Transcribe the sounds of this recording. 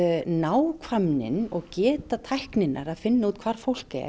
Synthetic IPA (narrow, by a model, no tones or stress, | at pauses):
naːwkʰvamnɪ̰nɔɣcɛːt̪at̪ʰajhknɪnːaɾaðfɪnːauːt̪̚kʰvaɾ̥fowl̥kɛ̰